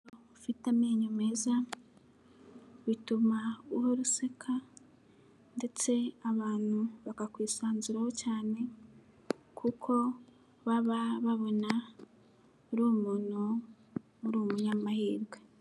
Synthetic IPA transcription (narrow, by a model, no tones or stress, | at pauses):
ufitamiːɲume̞za | βitumauhoɾusekʰa | nde̞t͡se̞aβaːn̥huβakakwiːsaːnzuɾaho̞caːne̞ | kʰukʰo̞ | βaβaβaβo̞na | uɾuːmuːnu | uɾuːmuɲamahiːɾɡwe̞